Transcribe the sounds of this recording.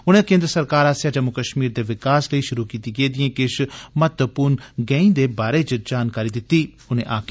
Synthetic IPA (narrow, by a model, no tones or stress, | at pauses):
ʊnẽːkẽːnd̪ɾəsəɾkaːɾaːsjaːd͡ʒəmːʊkəʃmiːɾd̪eːʋɪkaːsləiːʃʊɾuːkiːt̪iːɡeːd̪ɪjẽːkɪʃmət̪wəpuːɾnɡɛ̃ːĩːd̪eːbaːɾeːt͡ʃd͡ʒaːnkaːɾiːd̪ɪt̪iː | ʊnḛ̃ːʔaːkʰː